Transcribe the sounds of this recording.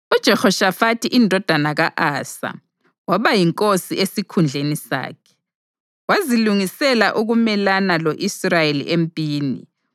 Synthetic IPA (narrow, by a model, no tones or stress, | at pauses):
ud̥ʒ̥ʱɛxɔʃafatʰiʔindʱɔd̥ʱanaɣaʔaːsa̰ | waβajiŋkʼosiʔesikʰund͡ɮʱenisa̰ːkʰɛ̥ | waziluŋisɛlaʔuɣumɛlanalɔʔisrajelḭʔempʼiːnḭ